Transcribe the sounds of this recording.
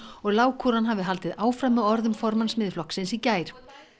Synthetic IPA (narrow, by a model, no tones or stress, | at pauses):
ɔɣlaːwkʰuɾanɦaːvɪðɦalt̪ɪðaːwfɾamɛɔɾðʏmfɔɾmansmɪðɪflɔhksɪnsicaːjɾ̥